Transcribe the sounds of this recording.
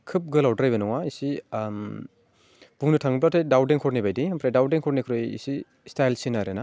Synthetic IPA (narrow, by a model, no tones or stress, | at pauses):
kʰɯp̚ɡɯlawdɾajbɐnɔŋaisim | b̥uŋnɯtʰaŋɯp̬latʰajdawdeŋkʰɔɾnibajdiampʰɾajdawdeŋkʰɔɾnikʰɾɯjḭsi | stajlsinaɾena